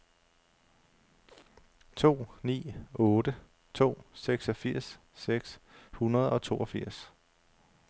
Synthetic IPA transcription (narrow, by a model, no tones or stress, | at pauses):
t͡sʰo̝̰ːnḭːɔ̽ːd̥ə | t͡sʰo̝̰ːseɡ̥sɒ̽fiɐ̰sː | eɡ̥shunɐð̞ˠɒ̽t͡sʰo̝ːɒfiɐ̰s